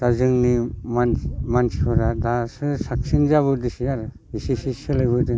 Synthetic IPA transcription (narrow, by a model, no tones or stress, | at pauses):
d̥azɯŋnimanmansʰipʰɔɾadasɯsak̚sinzaβɯdɯsijaɾɯ | isisisɯlajbɯdɯ